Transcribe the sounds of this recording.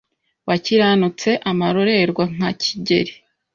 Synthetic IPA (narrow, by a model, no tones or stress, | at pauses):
waciɾanut͡se̞ʔamaɾo̞ɾe̞ɾɡwaŋ̥acʰiɟe̞̰ɾi